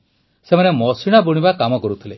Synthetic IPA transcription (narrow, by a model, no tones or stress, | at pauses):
semanemɔsiɽ̃abuɽ̃ibakamɔkɔɾut̪ʰile